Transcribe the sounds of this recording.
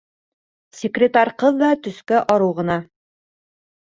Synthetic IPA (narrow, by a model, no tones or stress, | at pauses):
sʲɪkrʲɪt̪aɾʲqɤðːɑt̪ɵ̆skæʔɒɾɤwʁɤ̆nɑ